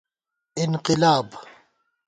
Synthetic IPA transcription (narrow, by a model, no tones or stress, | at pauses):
ʔɪnqɪlaːb